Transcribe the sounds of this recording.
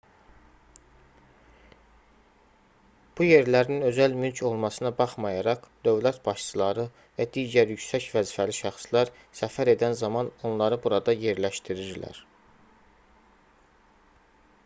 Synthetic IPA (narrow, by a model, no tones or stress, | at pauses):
b̥uje̞ɾlæɾninø̞zælmylcʰo̞lˠmɑsɯnɑbɑχmɑjɑɾɑʁd̪̥øvlæt̪b̥ɑʃt͡s̪ʰɯlˠɑɾɯ | væd̪iːɟæɾjycsæcvæzifæliʃæχslˠæɾ | sæfæɾe̞d̪ænzɑmɑno̞nlˠɑɾɯbuɾɑd̪ɑje̞ɾlæʃt̪iɾiɾlæ̰ɾ